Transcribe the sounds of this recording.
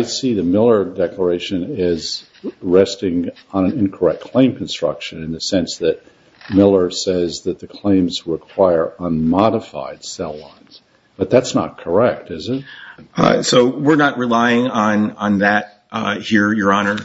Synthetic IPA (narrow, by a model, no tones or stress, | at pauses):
ɪsiðɨmɪlˠə˞dɛklə˞eɪʃɨ̃nɪz | ɹɛstɪ̃ŋ | ə̃ñɨ̃nɪ̃nkʰə˞ɛkʰl̥ẽɪ̃mkʰn̩stɹ̥ʌ̰kʃɨ̃nɨ̃nðɨsɛ̃nsðɨt̚ | mɪlˠə˞sɛzðɨt̪̚ðɨkʰl̥ẽɪ̃mz̥əəkʰw̥aɪə˞ə̃nmɑɾəfa̰ɪd̥sɛlˠã̰ɪ̃nz̥ | b̥ʌt̪̚ðætsnə̰t̚kʰə˞ɛk̚tɪzɪt̚ | soʊwɪɹnət̚ɹɨlaɪɪ̃ŋə̃nə̃nðæt̚ | hiɹjə˞ɑnə˞